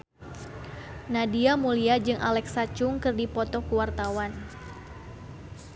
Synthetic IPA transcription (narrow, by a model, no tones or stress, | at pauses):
nadiamuliad͡ʒɨŋʔa̰lɛksat͡ʃʊŋkɨrdipɔt̪ɔkuwart̪awan